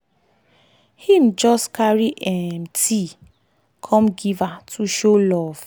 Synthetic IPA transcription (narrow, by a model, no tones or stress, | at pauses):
him̩d͡ʒɔstkaɹiʔɛmti | kʰɔ̃mɡivatʰuʃolɔv̥